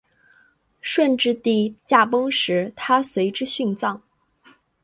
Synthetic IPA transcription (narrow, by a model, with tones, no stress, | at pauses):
ʂwə˥˧nʈ͡ʂɻ̩˥˧t̪i˥˩t͡ɕja˥˩pɤ˥ŋʂɻ̩˧˥t̪ʰa˥swe˧˥ɪʈ͡ʂɻ̩˥ɕy˥˧nt͡sɑ˥˩ŋ